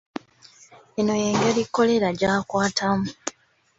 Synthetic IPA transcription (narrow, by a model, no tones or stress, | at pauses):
eno̞jeŋɡelikːo̞le̞ɾaɟaːkwaːtʰamu